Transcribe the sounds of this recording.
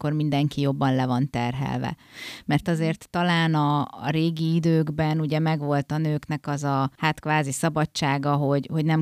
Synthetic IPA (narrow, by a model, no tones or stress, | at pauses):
ko̞rmind̪ɛŋkijo̞bːɒnlɛvɒnt̪ɛrɦɛ̰lvɛ̰ | mɛrt̪ɒzeːrt̪ːɒlaːnɒ̰ːɾeːɡiid̪øːɡbɛnuɟɛmɛɡʋo̞lt̪ɒnøːknɛkɒzɒhaːt̪kʋaːzisɒbɒt͡ʃaːɡɒɦo̞ɟho̞ɟnɛm